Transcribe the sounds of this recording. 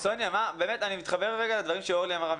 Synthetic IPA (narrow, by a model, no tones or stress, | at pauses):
so̞njamabe̞ːme̞tanimit̪χabe̞ʁːeɡaladvaʁimʃeoʁliamaʁam